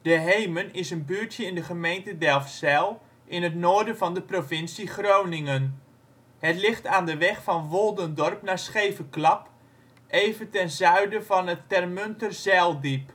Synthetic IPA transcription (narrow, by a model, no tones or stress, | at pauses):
d̥əɦejmənɪsənbyːɹtjəɪndəχəmejntədɛlˠfsɛlˠ | ʔɪnətnoːɹdənvɑndəprovɪnsiχrownɪŋən | hətlɪχtaːndəʋɛχfɑnʋolˠdəndɔrpnaːsχejvəklɑp | ʔejvəntɛnzœɥdəvɑnətːɛrmøntərzɛlˠdip